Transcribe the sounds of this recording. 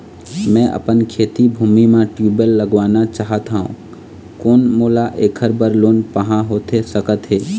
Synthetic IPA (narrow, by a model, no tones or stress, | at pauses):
mɛ̃ʔə̰pənkʰeːt̪ibʱuːmimẽʈjuːbəlːəɡʋaːnat͡ʃaːɦət̪ɦaṵ̃ | koːnmoːlaʔeːkʰəɾbəɾloːnpəɦãɦoːt̪esəkət̪ɦeː